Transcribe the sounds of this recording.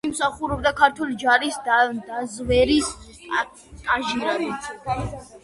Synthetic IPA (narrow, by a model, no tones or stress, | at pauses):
imsaχuɾɔb̚d̪akʰaɾt̪ʰulid͡ʒaɾisd̪d̪azvɛɾis | tʼaʒiɾad̪i